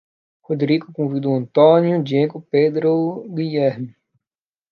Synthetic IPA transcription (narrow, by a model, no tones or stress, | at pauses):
hod̪ɾiɡʊkõvid̪uɐ̃nt̪onjʊd͡ʒieɡʊped̪ɾoɡiʎɛɾmi